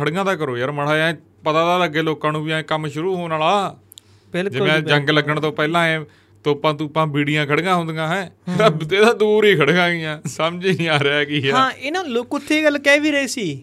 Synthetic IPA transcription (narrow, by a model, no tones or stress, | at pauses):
əɽɡãːd̪aːkəɾoːjəɾməɽaːɛ̃ | pət̪ãːd̪aːləɡeːloːkːaːnũːʋɪjãːkəmʃʊɾuːɦoːnaːlaː | bɪld͡ʒɪʋẽːd͡ʒəŋɡləɡəɳt̪õːpɛːlãːɛ̃ː | t̪oːpãːt̪̬uːpãːbiːɽɪjãːkʰəɽɡãːɦʊ̃nd̪ɡãːɦɛ̃ːat̪eːd̪aːd̪uːɾiːkʰəɽɡãːɡɪjãːsəmd͡ʒiãːɾɛaːkiːɦãːɪnõːlʊkʊt̪ʰːeːɡəlkɛːʋiːɾəeːsiː